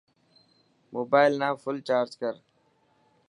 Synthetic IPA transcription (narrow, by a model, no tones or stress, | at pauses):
moːbaːɪlnãːfʊlt͡ʃaːɾd͡ʒkəɾ